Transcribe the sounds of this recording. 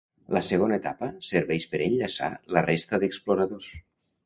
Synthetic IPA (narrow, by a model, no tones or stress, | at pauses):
ləsəɣonəet̪apəsəɾβɛʃpəɾeɲʎasa̰lərest̪əðəksploɾəðos